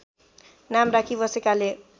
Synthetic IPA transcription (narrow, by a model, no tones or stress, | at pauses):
namrakʰibʌsekale